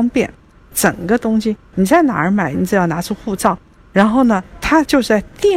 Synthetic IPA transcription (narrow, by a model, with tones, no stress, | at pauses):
ŋpjɛ̰˥˩n | ʈ͡ʂə˨˩ŋɡə˦t̪ʊ˥ŋɕi˨ni˨˩t͡sa˥˩ɪna̰˨˩ə˞˧˥ma˨˧˥ɪni˧˥t͡s̩˥˩jɑ˥˩ʊna˧˥ʈ͡ʂʰu˥xu˥˧t͡sɑ˥˩ʊ | ɻa˧˥nxo˥˩ʊnə˩t̪ʰa˥t͡ɕjo˥˧ʊʂɻ̩˥˩t͡sa˥˧˩ɪt̪i˥˩